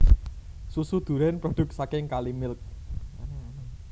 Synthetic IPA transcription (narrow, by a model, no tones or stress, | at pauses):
susud̪̥ṳɾɛnpɾod̥ʊ̤k̚sakɪŋkalimɪlk̚ann